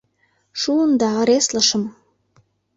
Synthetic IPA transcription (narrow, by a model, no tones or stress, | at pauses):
ʃuənd̪ɑɾesləʃə̆m